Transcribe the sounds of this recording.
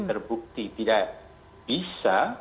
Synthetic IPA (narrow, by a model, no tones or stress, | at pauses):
t̪ərbuk̚t̪it̪idaʔ | b̥isa